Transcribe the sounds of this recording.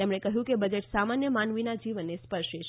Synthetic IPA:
emɳekəɦjũkebəd͡ʒeʈsamanjəmanʋinad͡ʒiʋənːespəɾʃeʃ

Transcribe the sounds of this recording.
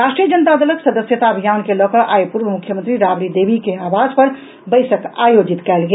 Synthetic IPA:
ɾaʃʈɾijəd͡ʒənət̪ad̪ələksəd̪əsjət̪aəbʱijaːnkelɔkəʔaːjpuɾʋəmukʰjəmənt̪ɾiɾaːbɾid̪eːbʱikeaːʋad͡ʒpɐɾ | bəɪsəka̰ːjod͡ʒit̪kɛːlɡe

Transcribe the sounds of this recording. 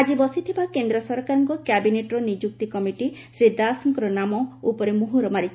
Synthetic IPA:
ad͡ʒibɔsit̪ʰibakend̪ɾɔsɔɾkaɾɔŋkɔkjabineʈɔɾɔnid͡ʒuk̚t̪ikɔmiʈisɾid̪aːsɔŋkɔɾɔnamɔupɔɾemuɦuɾɔmaɾi

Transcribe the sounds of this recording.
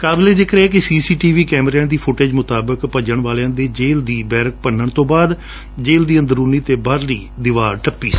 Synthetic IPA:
kaːbleːd͡ʒ̪ɪkʰɾeɛːk̬ɪsiːsiːʈiːʋiːkɛːmɾɛːnd̪iːpʰʊʈeːd͡ʒmʊt̪aːbəkpəd͡ʒəɳʋaːleãːd̪eːd͡ʒeːld̪iːbɛːɾək̚pənːəɳt̪õːbaːd̪ | d͡ʒeːld̪iːə̃nd̪əɾuːniːt̪eːbaːɾliːd̪ɪʋaːɾʈəpːiːs

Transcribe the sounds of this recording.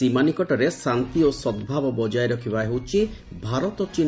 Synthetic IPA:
imanikɔʈɔɾesant̪iosɔd̪bʱabɔbɔd͡ʒaeɾɔkʰibaɦewt͡ʃʰi | bʱaɾɔt̪ɔt͡ʃin

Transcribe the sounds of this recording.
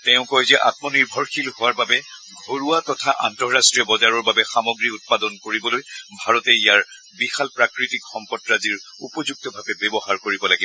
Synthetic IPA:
tɛʊ̃kɔjzɛʔa̰tmɔniɹbʱɔɹxilɦʊwaɹbabɛɡʱoɹuwatɔtʰaʔantɔɹɹastɹijɔbɔzaɹɔɹbabɛxamɔɡɹiut̚padɔnkoɹibɔlojbʱaɹɔtɛijaɹ | bixalpɹakɹitikxɔmpɔtɹaziɹ | upɔzuk̚tɔbʱabɛbɛbɔɦaɹkoɹibɔlaɡibɔ

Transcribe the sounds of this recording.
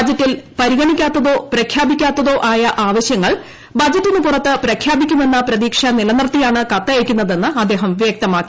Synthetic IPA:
d͡ʑɐtːilpɐɾiɣɐɳikʲːaːt̪ːɐðo̞ːpɾɐkʰjaːbikʲːaːt̪ːɐðo̞ːʔaːjɐʔaːʋɐɕjɐŋːɐɭ | bɐd͡ʑɐtːinːɨpurɐt̪ːɨpɾɐkʰjaːbikʲːunːenːɐpɾɐðiːkʂɐnilɐnirt̪ijaːɳɨkɐt̪ːɐjekʲːunːɐðe̞nːɨɐd̪ːe̞ːɦɐmʋje̞ːk̚t̪ɐmaːkːi

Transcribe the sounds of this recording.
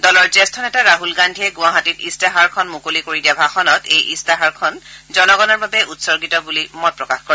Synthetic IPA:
dɔlɔɹzɛstʰɔnɛtaɹaɦulɡandʱiɛɡʊaɦatitistaɦaɹkʰɔnmukolikoɹidiabʱaxɔnɔtejʔistaɦaɹkʰɔnzɔnɔɡɔnɔɹbabɛʔutsɔɹɡitɔbulimɔt̚pɹɔkaxkɔɹ

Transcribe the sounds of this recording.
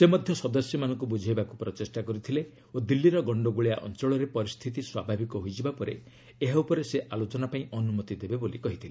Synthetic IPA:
semɔd̪ʱjɔsɔd̪ɔsjɔmanɔŋkubud͡ʒʱajbakupɾɔt͡ʃesʈakɔɾit̪ʰile | od̪ilːiɾɔɡɔɳɖɔɡuɭija̰ʔɔ̰nt͡ʃɔɭɔɾepɔɾist̪ʰit̪̬iswabʱabikɔɦoid͡ʒibapɔɾe | eɦaupɔɾeseʔalot͡ʃɔnapaĩʔɔnumɔt̪id̪ebebolikɔɦit̪ʰile

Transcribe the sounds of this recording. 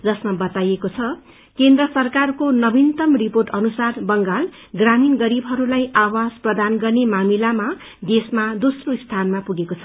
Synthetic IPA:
d͡zʌsmʌbʌt̪ajekot͡sʰʌ | kend̪rʌsʌrkarkonʌbint̪ʌmriporʈʌnusarbʌŋɡal | ɡraminɡʌɾibɦʌɾulajawasprʌd̪anɡʌrnemamilama | d̪esmad̪osroist̪ʰanmapuɡekot͡sʰʌ̥

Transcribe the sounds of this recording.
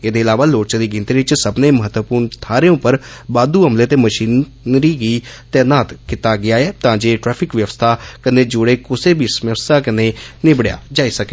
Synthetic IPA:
eːd̪eːɪlaːʋaːloːɾt͡ʃːd̪iːɡɪ̃nt̪iːɾɪt͡ʃsəbneːməɦət̪wəpuːɾɳt̪ʰaːɾeõpəɾbaːd̪uːəmleːt̪eːməʃiːn | nɾiːɡiːt̪ɛːnaːt̪kɪt̪aːɡɪaːɛːt̪ãːd͡ʒeːʈɾɛːpʰɪkʋjəʋəst̪ʰaːkəneːd͡ʒʊɽeːkʊseːbʱisməʋst̪aːkəneːnɪbɽja̰ːd͡ʒaːiːsəkeː

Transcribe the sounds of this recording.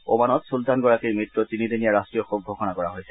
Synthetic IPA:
omanɔtsultanɡɔɹakiɹmɹitɹɔtinidenijaɹastɹijɔxoɡ̚ʱoxɔnakɔɹaɦojsɛ̥

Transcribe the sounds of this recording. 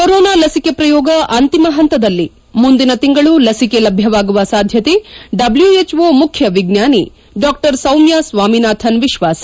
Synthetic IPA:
koɾoːnaːlɐsikepɾɐjɔːɡɐʔɐnt̪imɐɦɐnt̪ɐd̪ɐlːi | mund̪inɐt̪iŋɡɐɭulɐsikelɐbʱjɐʋaːɡuʋɐsaːd̪ʱjɐt̪eɖɐbljuet͡ʃʋoːmukʰjɐʋiɡnjaːni | ɖaːk̚ʈɐɾsɐwmjasʋaːminaːt̪ʰɐnʋiʃʋaːsɐ̥

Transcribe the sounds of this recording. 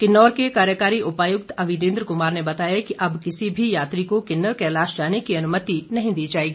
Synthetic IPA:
kɪnːɔːɾkekaːɾjəkaːɾiʔʊpaːjʊk̚t̪ɐʋɪnẽːnd̪ɾkʊmaːɾnebɐt̪aːjakiʔɐbkɪsibʱijaːt̪ɾikokɪnːəɾkɛːlaːʃd͡ʒaːnekiɐnʊmət̪inɐɦĩd̪iːd͡ʒaːeːɡiː

